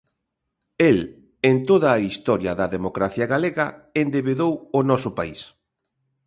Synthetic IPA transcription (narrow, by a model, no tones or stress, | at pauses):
el | ent̪oðɐːist̪ɔɾjɐðɐðemokɾaθjɐɣaleɣɐend̪eβeðowʊnɔsʊpais